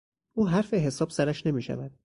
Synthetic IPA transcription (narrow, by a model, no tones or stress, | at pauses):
ʔuːɦæɾfeɦe̞sɒːb̥sæɾæʃne̞miːʃæ̰væd̪̥̚